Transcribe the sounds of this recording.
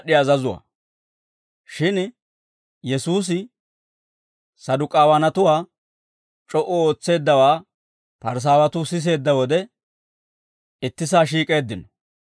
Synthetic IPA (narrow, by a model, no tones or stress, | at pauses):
ɗːɪɐːzɐzʊwa̰ː | ʃɪn | jɛsuːs̬ɪ | sɐd̪ʊkʼaːwɐnɐt̪ʊwaː | t͡ʃʼɔʔɔoːt͡sːe̞ːd̪ːɐwaː | pɐɾs̬aːwɐt̪ʊsɪs̬e̞ːd̪ːɐwɔd̪ɛ | ɪt̪ːɪs̬aːʃ̬iːkʼe̞ːd̪ːɪnɔ